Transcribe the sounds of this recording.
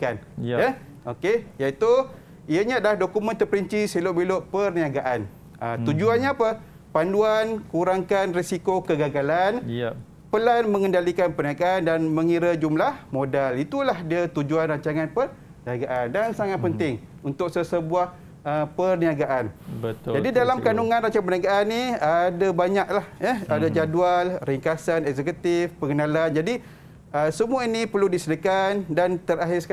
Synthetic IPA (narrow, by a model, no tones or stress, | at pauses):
kanja | okejait̪u | iəɲadlahdokumə̃nt̪ərpəɾiɲt͡ʃisiloʔbiloʔpərniaɡaʔan | ət̪ud͡ʒuanɲaːpə | panduankuɾaŋkanrisikokəɡaɡalan | pəlanmə̃ŋə̃ndalikanpərniaɡaʔandanmə̃ŋiɾəd͡ʒumlahmodalit̪ulahdiat̪ud͡ʒuanraɲt͡ʃaŋãnpər | niaɡaʔandansaŋat̪̚pənt̪ɪŋ | unt̪ʊk̚səsəbuah | əpərniaɡaʔanbət̪d͡ʒadidalamkanuŋãnraɲt͡ʃaŋapərniaɡaʔaniadabaɲak̚lahjəadad͡ʒadualriŋkasanɛk̚sɛkut̪ɪfpəɡənaland͡ʒadi | əsəmuainipərludisədəkandant̪əɾaɦɪsək